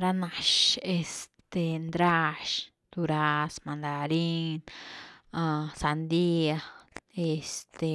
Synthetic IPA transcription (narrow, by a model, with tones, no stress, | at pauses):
ɾa˧na˨ʃe˧st̪e˧nd̪ɾa˦˧ʃ | t̪u˧ɾa˧smand̪aɾi˦n | asa˧nd̪i˦ae˧st̪e˨